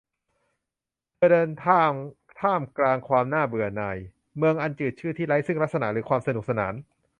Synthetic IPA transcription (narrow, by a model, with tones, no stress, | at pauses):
pdɤː˧nt̪ʰa˥˧ŋ | t̪ʰaː˥˩mklaː˧ŋkʰwaː˧mnaː˥˩bɯ˨˩ɐnaː˧˩j | mɯ˧əŋʔa˧nt͡ɕɯː˨˩t̚t͡ɕʰɯː˥˩t̪ʰiː˥˩ɾa˦˥jsɯ˥˩ŋla˦˥sa˧na̰˨˩ʔɾɯː˩˦˥kʰwaː˧msa˧nu˨˩k̚sa˧naː˩˦n